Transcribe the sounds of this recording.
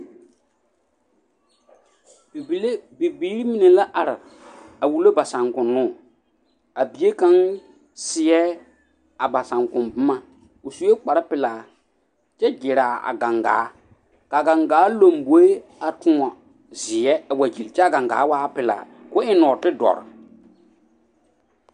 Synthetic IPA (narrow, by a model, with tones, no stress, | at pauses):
bi˨bi˨le˦bi˨biː˦ɾi˦mi˨ne˨la˦ʔa˨ɾɪ˨ | a˨wu˨lo˦ba˨sã˨ŋkʊ˨nːʊː˦˨ | a˨bi˨e˦ka˦ŋ | sɪ˨ɛ˦ | a˨ba˨sã˨ŋkʊ̃˨nbʊ˦ma˨ | o˨su˦e˦k͡pa˨ɾa˦pɪ˨laː˨ | t͡ʃɛ˦d͡ʒɪ˨ɾa˨a̰˨ɡa˨ŋɡa̰ː˨˦ | ka˨ɡa˨ŋɡaː˨˦lo˨mbo˨˦e˦a˨tʊ˦a˨ | zɪ˨ɛ˦˨wa˨d͡ʒi˨lt͡ʃɛ˦a˦˨ɡa˨ŋɡa̰ː˨˦waː˦pɪ˨la̰ː˨ | kʊ˦ɪ˦nɔː˨tɪ˦dɔ̰˨ɾɪ̰˨